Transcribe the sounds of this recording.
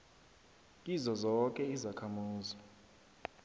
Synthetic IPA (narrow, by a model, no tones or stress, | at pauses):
izɔzɔk̬ʼɛizakʰamuːzɔ